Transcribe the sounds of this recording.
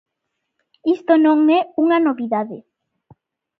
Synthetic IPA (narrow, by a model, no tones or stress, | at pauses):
ist̪onõŋɛuŋanoβiðaðɪ